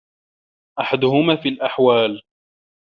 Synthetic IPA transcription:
ʔaħad̪ʊhʊmaːfiːlʔaħwaːl

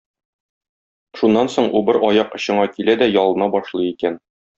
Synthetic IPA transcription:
ʃunːɑnsoɴʔubɤɾʔɒjɑqɤ̆ɕɤ̆ɴɑkilæd̪æjɒlˠɤ̆nɑbɒʃlˠɤjikæn

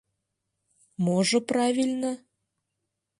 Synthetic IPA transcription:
moʒə̆prɑvʲilʲnə̆

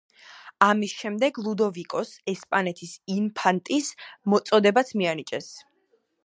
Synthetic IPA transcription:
amisʃɛmd̪ɛɡlˠud̪ɔvikʼɔsɛspʼanɛt̪ʰisimpʰant̪ʼismɔt̪sʼɔd̪ɛbat̪sʰmianit͡ʃʼɛs

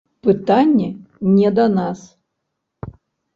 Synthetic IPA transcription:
pɨt̪anʲːɛnʲɛd̪ɐnas

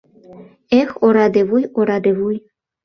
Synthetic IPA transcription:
exoɾɑd̪eβujoɾɑd̪eβuj

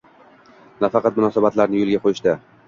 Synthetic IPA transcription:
nafɑqʰɑt̪̚mʊnɒsabat̪laɾnɪjolˠɡʲaqʰojɪʃd̪ɪ

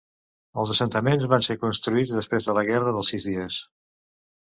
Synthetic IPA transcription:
əlˠzəsənt̪əmenzβansekunst̪ɾuid͡zðəspɾezðələɣɛrəðəlˠsizðiəs

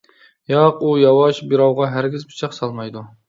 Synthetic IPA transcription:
jɑqujɑwɑʃbiɾɑwʁɑɦæɾɡʲɪzbit͡ʃʰɑqsɑlˠmɑjd̪u

